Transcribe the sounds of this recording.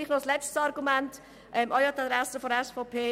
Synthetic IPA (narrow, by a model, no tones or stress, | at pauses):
iːχnɔslɛt͡stsɑɾɡumænt | ʔɛmʔɔjɑt̪ɑd̪ɾɛsəfɔɾəɛsfɔʊpʰeː